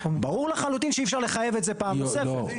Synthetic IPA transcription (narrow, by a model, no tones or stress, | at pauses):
baʁuʁlaχalut̪inʃeifʃaʁle̞χaje̞vetze̞paːmbesefe